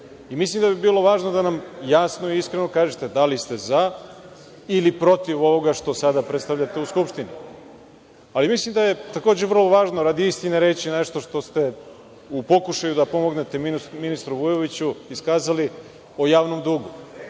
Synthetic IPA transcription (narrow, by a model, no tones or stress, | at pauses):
imislimd̪abibiːlˠo̞ʋaːʒnod̪anamjasno̞iiskɾeno̞kaːʒet̪e̞d̪alist̪e̞za | ilipɾo̞t̪iʋo̞ʋo̞ɡaʃt̪o̞sad̪apɾet̪st̪aʋʎat̪e̞uskupʃt̪ini | alimislimd̪aje̞t̪ako̞ːd͡ʑeʋɾr̩lˠo̞ʋaːʒnoɾad̪iist̪ineɾe̞ːt͡ɕine̞ʃt̪o̞ʃt̪o̞st̪e̞ | upo̞kuʃajud̪apo̞mo̞ɡne̞t̪e̞miminist̪ɾuʋujoʋit͡ɕuiskaːzali | o̞jaːʋno̞md̪uɡu